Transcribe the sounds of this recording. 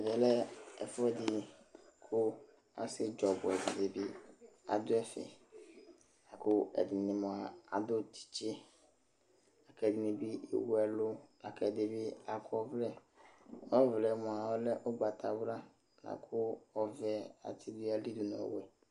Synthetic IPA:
vɛ˨lɛ˦ɛ˨fɔ˦ɛ˦˨dɪ˨kʰʊ˦ | a̰˨sɪ˦d͡ʒɔ˨bʊ˨ɛ˨di˨de˨bi˦a̰˨d̪ʊ˦ɛ˦fɛ̰˨ | a˨kʊ˦ɛ̰˨di˨nĩ˨mɔ̃˨a˨a̰˨d̪ʊ˦t͡ʃi̥˨t͡ʃe˦ | a˨kɛ˨di˨nĩ˨bi˦ḭ˨wu˦ɛ˦lʊ˦a˨kʰɛ˨de˨bi˦a˨kʊ˦ɔ˦vlɛ˦ | ɔ˦vlɛ˨mɔ̃˨a˨wɔ˦lɛ˦ʔo˦ɡ͡ba˨t̪ʰa˨bɾa˦ | na̰˨kʰʊ˦ɔ˦vɛ˦a̰˨t̪ʰi˦du˦a˦li˦du˨nɔ̰̃˨wɛ˨

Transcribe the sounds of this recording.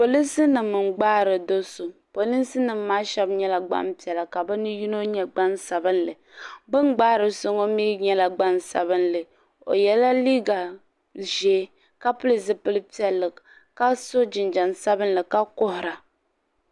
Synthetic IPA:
po˨li˦sɨ˦nɨ˨mːɨ˨mɡ͡baː˦ɾɨ˨do˦so˨po˨li˦nsɨ˦nɨ˨mːaː˦ʃɛ˦bɲɛ˦la˨ɡ͡ba̰˦mpi˨ɛ˨la˨ka˨bɨ˦nɨ˦ju˦no˦ɲɛ˦ɡ͡ba˦nsa˨bɨ˦nlɨ˨ | bɨ˦ŋɡ͡baː˦ɾɨ˨so˦ŋo˦miː˦ɲɛ˦la˨ɡ͡ba˦nsa̰˨bɨ˦nlɨ˨ | o̰˨jɛ˨la˦li˦ɡa˨ | ʒeː˨˦ | ka˦pʊ˦li˦s̬ɨ˦pɨ˦lɨ˦pi˦ɛ˨lːɨ˨ | ka˦so˦d͡ʒɪ˨nd͡ʒa˨nsa˦bɨ˦n˦lɨ˨ka˦kʊ˦hʊ˨ɾa˨

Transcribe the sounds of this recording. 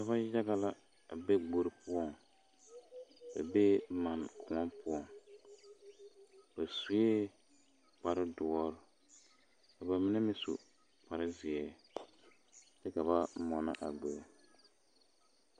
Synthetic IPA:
ka˨βa˦ja˦ɣa˦la˦˨ | be˦ɡ͡bo˨ɾɪ˨pʊ˦ɔ˦ŋ | ba̰˨be˦ma˨nkʰʊ˨ɔ˦npʊ˦ɔ˨ŋ | ba˨su˨e˦ | k͡pa˨ɾɪ˦dʊ˨ɔ˦ɾʊ˦ | ka˨ba˨mɪ˦nɛ˦mɪ˦sṵ˨ | k͡pa˨ɾɪ˦zɪ˨ɛː˦ | tɛ˦ka˨βa˦mɔ˨na̰˦˨ʔa̰˨ɡ͡bo˨ɾ

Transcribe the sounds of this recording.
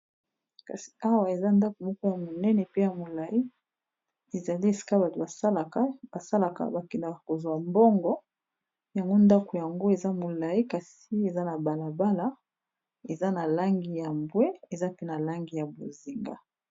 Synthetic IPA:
ka̰˨si̥˨a˦wa˨e˨za˦nda˦ko˨mo˦kɔ˦ja˨mo˨nɛ˦nɛ˨pe˦ja˨mo˨la˨i˦ | e˨za˨li˦e˨si̥˨ka˦ba˨tba˨sa˦la˨ka˦ba˨sa˦la˨ka̰˨ba˨ki˨na˨ko˨zwa˨mbɔ˦ŋɡɔ˦ | ja˨ŋɡo˦nda˦ko˨ja˨ŋɡo˦e˨za˦mo˨la˨i˦ka˨s | i˦e˨za˦na˨ba˨la˨ba˦la˦ | e˨za˦na˨la˦ŋɡi˨ja˨mbwɛ˦e˨za˦pe˦na˨la˦ŋɡi˨ja˨bo˨zi˨ŋɡa˨

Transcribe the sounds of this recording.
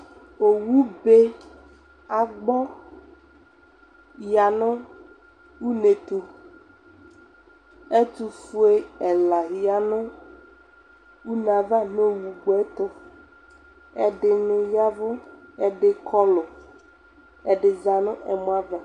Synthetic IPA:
o˨wu˦be˦ | a˨ɡ͡bɔ˦ | ja˨nʊ̃˦ | wu˦ne˨t̪u˨ | e˦t̪u˦fu˦e˦ɛ˨la˨ja˨nʊ̃˦ | wu˦n˨a˨va˦nõ˦wu˨ɡ͡bo˦ɛ˦t̪ʊ˦ | ɛ̰˨ɖɪ˨nʊ̃˨ja˦vʊ˦ɛ˦ɖɪ˨kʰɔ˦lʊ˨ | ɛ˨ɖɪ˨za˨nʊ̃˦ʔɛ̰˨mõ˦a˦va˨

